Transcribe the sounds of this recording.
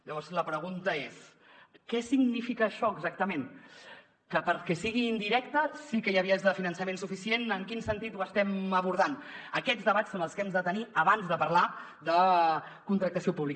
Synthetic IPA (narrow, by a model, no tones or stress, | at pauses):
ʎəβɔɾzləpɾəɣ̞unt̪əes | kɛsiɡnifikəːʃɔəɡzak̚t̪əmẽn | kəpəɾkɛsiɣind̪iɾɛkt̪əsikəjəβiəzðəfinənsəmensufisienəŋkinsənt̪it̪uəst̪ɛməβuɾð̞anəkɛd͡zðəβasonəlˠskɛmzd̪ət̪əniəβanzðəpɐɾla | d̪əkunt̪ɾək̚t̪əsiopuβlik